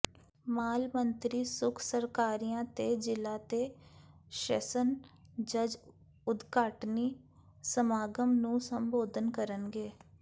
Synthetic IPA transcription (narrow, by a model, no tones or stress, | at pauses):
maːlmənt̪ɾiːsʊkʰsəɾkaːɾijãːt̪eːd͡ʒɪlːaːt̪eː | ʃə̰sənd͡ʒəd͡ʒ | ʊd̪kaːʈniː | səmaːɡəmnũːsəmboːd̪ʱənkəɾənɡeː